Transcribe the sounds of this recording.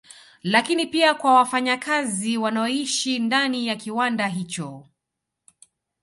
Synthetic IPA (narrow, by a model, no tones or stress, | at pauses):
lakinipiakwawafaɲakaziwanaɔiʃindanijakiwandaɦit͡ʃɔ